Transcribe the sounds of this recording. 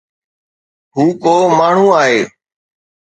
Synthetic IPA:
ɦuːkoːmaːɳ̤ũːaːɦeː

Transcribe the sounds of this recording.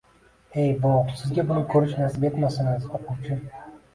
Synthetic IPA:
e̞jboqsɪzɡʲabʊnɪkʲʰɵɾɪʃnasɪbe̞t̪masɪnɪzoqʰʊwt͡ʃʰɪ

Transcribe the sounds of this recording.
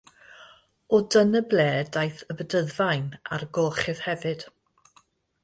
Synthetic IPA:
ɔdənəblɛːdajθəbədəðvajna̰rɡoːχɪð̥hɛvɨd̥

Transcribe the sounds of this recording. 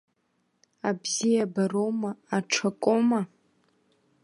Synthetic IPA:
abzijabarowmaaʈ͡ʂʰakʷʼoma

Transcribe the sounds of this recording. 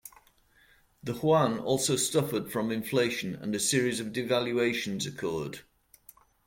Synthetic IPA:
ðəhwãnɔ̰ˑlˠsoʊstʌfəd̥fɹə̃mɪ̃ɱfleɪʃə̃nə̰̃nəsɪəɹɪzəvdɪvaljueɪʃə̃nzəkʰɔːd̥

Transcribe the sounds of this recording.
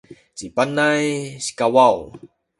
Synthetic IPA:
t͡ɕipanajɕi̥kawaw

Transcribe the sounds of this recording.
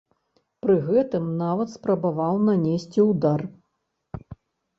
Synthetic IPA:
pɾɨɣɛt̪ɨmnavɐt̪spɾɐbavawnanʲesʲt͡sʲiud̪ar

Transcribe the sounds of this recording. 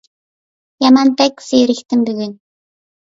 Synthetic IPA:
jamanpækseeɾɘ̆kt̪ʰɘ̆mpiɣĕːn

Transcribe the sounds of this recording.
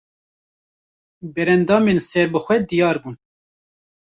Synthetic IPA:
bɛɾɛnd̪ɑːmensɛɾbɨxʷɛd̪ijɑːɾbuːn

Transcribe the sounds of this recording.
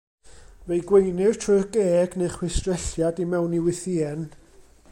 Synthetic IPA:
vejɡwejnɪrtʰrʊɡ̥eːɡnejχwɪstrɛɬjadimɛwniwɪθiːɛn

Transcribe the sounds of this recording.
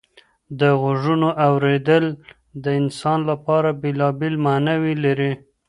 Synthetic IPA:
d̪əɣʊʐunoʔawɾed̪əl | d̪əɪnsɑnlapɑɾabelɑbelmanawilaɾi

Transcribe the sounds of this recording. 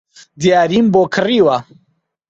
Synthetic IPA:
d̪jaːɾiːmboːkʰɨriːwa

